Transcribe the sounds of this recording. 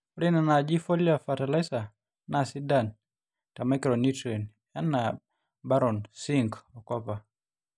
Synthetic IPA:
ɔɾinanad͡ʒifɔliafatalasa | nasidan | tamakɾɔnitɾɛn | ana | baɾɔnsiŋkɔkɔpa

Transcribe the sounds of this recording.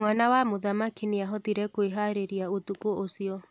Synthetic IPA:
mwanawamoðamakiniaɦɔtiɾɛkoeɦaɾeɾiaotukoosiɔ

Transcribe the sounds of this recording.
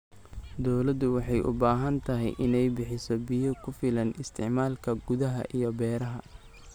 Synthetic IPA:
d̪ɔwlɐd̪ʊwɑħɑjʔʊ̰baːɦɐnt̪ʰɐɦɛ̰jʔɪnɛjbɪħɪsɔbɪjɔkʰʊfɪlɐnɪst̪ʰɪʕmaːlkʰɐɡʊðɐɦɐ̰ʔijɞbɛːɾɐɦɐ

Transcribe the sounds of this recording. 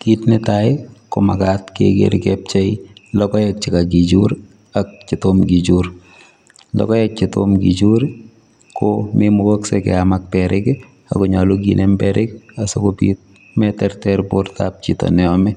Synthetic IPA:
ɡ̥itnɪtaɪkoma̰ɡat̪kḛɡḛɾɡɛp̚t͡ʃɛɪlɔkɔjak̚t͡ʃɪkaɡid͡ʒuɾ | ak̚t͡ʃɪt̪omɡid͡ʒuɾ | lɔ̰kɔjak̚t͡ʃɪt̪o̰mɡid͡ʒuɾ | kʰomemoɡoksɛkɛ̰amak̚pɛɾɪke | a̰kɔɲaloɡḭnʔɛmpɛɾɪkasokopḭt̪̚ | mɛtɛɾtɛɾpoɾt̪a̰p̚t͡ʃit̪ɔ̰nɛɔmɛ

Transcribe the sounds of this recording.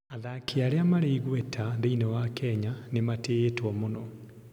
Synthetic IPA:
aðakiaɾeamaɾeiɣwɛtʰaðeinɔwakɛɲanemateːtwɔmonɔ

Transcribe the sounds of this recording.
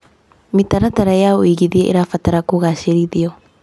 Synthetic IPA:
mitaɾataɾajaoiɡiðia̰ʔḭɾafataɾakuɡasiɾiðio

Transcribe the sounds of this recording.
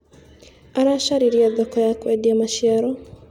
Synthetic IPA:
anaʃaɾiɾiad̪ɔkɔjakwɛdiamaʃiaɾɔ

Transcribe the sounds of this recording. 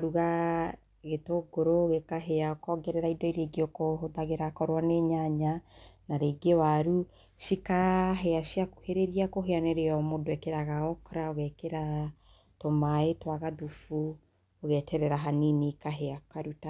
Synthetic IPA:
ɾuɣa | ɣetoɡoɾoɣekaɦeaokɔːŋɡɛɾɛɾaidɔiɾeɡeokoɦoðaɣeɾakɔɾwaneɲaɲanaɾeɡewaɾu | ʃikaɦeaʃiaku̥heɾeɾiakoɦeanɛɾeɔmodoɛkeɾaɣaɔkɔɾaoɣɛkeɾa | tomaetwaɣaðufu | oɣɛtʰɛɾɛɾaɦaninikaɦeakaɾuta

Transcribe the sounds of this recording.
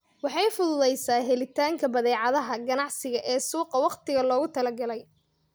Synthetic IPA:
wɑħɑjfʊðʊðɛjsaːɦɛlɪt̪ʰaːŋkʰɐbɐðɛːʕɑðɐɦɐɡɐnɑʕsɪɣɐʔɛːsuːqɐwɑqt̪ɪɣɐlɔːɣʊt̪ʰɐlɐɡɐlɛj

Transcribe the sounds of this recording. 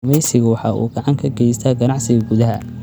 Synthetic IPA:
mɛjsɪɣʊwɑħɑ̰ːʔṵːɡɑʕɑŋkʰɐɡɛjst̪ʰaːɡɐnɑʕsɪɣɐɡʊðɐɦɐ̰

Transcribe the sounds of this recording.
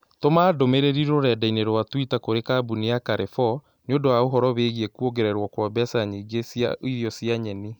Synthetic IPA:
tomaːdomeɾeɾiɾoɾɛdaineɾowatwitakoɾekabuniakaɾefɔ | neondowaoɦɔɾɔβeɣiɛkuoɡeɾɛɾwɔkwɔbɛsaɲiɡesja̰ʔoijɔsiaɲɛni

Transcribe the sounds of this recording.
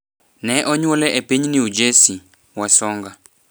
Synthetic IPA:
nɛʔɔɲwolɛʔepiɲniud͡ʒesi | wasɔŋɡa

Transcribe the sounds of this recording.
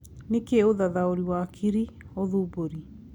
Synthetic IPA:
nekeoðaðaoɾiwakʰiɾioðuboɾi

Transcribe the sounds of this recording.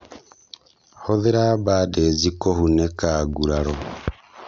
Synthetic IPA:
hoðeɾabaːdezikohunekaɡuɾaɾɔ

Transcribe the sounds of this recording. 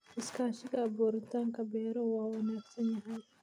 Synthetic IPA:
ɪskaːʃɪɡaːboːɾɪt̪aŋkɐbɛːɾowaːwɐnaːksɐnjɐɦaj

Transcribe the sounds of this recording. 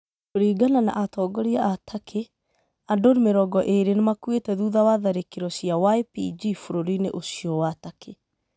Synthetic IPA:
oɾiːɡanana̰ʔatɔːɡɔɾiaʔatʰakʰe | andoɾimeɾɔɡɔʔeɾenemakwetɛðuːðawaðaɾekiɾɔsijawaepid͡ʒifoɾoɾinḛʔosiɔwatakʰe

